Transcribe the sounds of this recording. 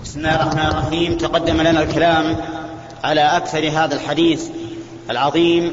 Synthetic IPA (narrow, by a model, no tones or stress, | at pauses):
bɪsmɪlaːjrˤɑħmaːnrˤɾɑħiːmt̪aqɑd̪ːamalanalkalaːm | ʕalaʔakθɑɾˤɦaːðalħad̪iːθ | ʔalʕɑðˤiːm